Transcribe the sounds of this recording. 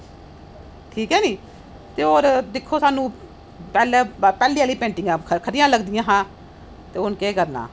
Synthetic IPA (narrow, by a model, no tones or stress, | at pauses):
ʈʰiːkɦɛːniː | t̪eːoːɾd̪ɪkʰːoːsaːnũː | pɛːlaːpɛːliːaːliːpẽːɳʈɪ̃ŋɡãːkʰəɾɪjãːləɡd̪ɪjãːɦãː | t̪eːʊnkeːkəɾna̰ː